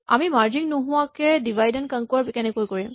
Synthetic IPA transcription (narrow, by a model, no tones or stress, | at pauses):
a̰mimaɹd͡ʒiŋnoɦʊwakɛdibʱajdɛnkəŋkɔɹpkɛnɛkojkoɹim